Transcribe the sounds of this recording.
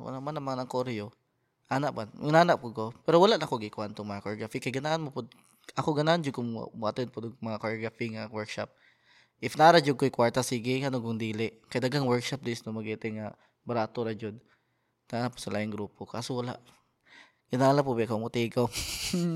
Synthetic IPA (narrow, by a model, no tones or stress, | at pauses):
nɐmanːɐmanɐŋkoɾjo | ʔanaʔbannaːnap̚kokopɛɾowɐlaʔnɐkoɡɪkʊant̪ʊŋmɐŋakoɹɡafikɐjɡɪnaʔanmopʊd̪̚ | ʔɐkoɡɐnaʔand͡ʒʊɡkʊŋ̰bʊʔat̪ɛnpʊd̪ʊɡmɐŋakoɹɡafiŋawɛɹkʃa̰p̚ | ʔɪfnaɾad͡ʒʊɡ̚kojkwaɹt̪asiːɡɪŋɐnokʊŋd̪iːlɪʔkɐjd̪ɐɡaŋwɛɹkʃap̚d̪ɪsnomɐɡɛt̪ɛŋa | bɐɾaːt̪oɾɐd͡ʒod̪̚ | nanapːʊsɐlʔaːʔɪŋɡɾuːpoka̰ːsʊwɐla̰ʔ | ɡ̥ɪnaːlapʊbɛkomʊt̪iɡaw